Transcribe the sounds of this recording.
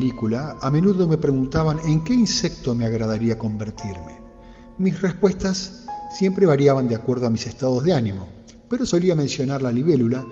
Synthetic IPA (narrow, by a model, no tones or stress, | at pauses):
likulaːme̞nuðo̞mepɾe̞ɣunt̪aβaneŋke̞insek̚t̪o̞me̞aɣɾaðaɾiako̞mbe̞ɾt̪iɾmḛ | misre̞spwe̞st̪asː | je̞mpɾe̞βaɾjaβand̪eakwe̞ɾðo̞amise̞st̪aðo̞zðeanimo̞ | pe̞ɾo̞so̞liamẽ̞nsjo̞naɾlaliβe̞lula